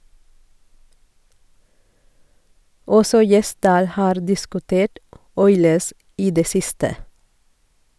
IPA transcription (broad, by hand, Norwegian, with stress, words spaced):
ˈɔsɔ ˈjɛˌsdɑːl ˈhɑːɾ dɪskʉˈteːʈ ˈɔʏləs ˈʔiː ˈdeː ˈsɪstə